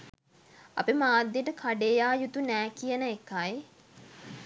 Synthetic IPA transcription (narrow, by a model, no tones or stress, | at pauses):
a̰pimaːd̪jeʈəkʰaɖeːjaːjut̪unæːkijənəekːaj